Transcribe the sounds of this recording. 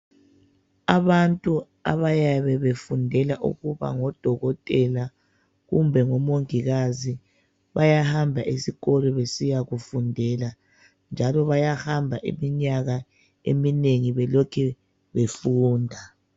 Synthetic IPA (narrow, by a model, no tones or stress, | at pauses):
aβantʼu | a̰βajaβɛβefundʱɛlaʔṵɣuβa̰ŋɔd̥ʱɔɣɔtʼɛla | ɣumbʱɛŋɔmoŋiɣazi | βajahambʱaʔisiɣɔlɔβesijaɣufundʱɛla | nd͡ʒʱalɔβajahambʱaʔḭmiɲaɣa | ḛmineŋiβɛlɔkʰɛ | βefuːndʱa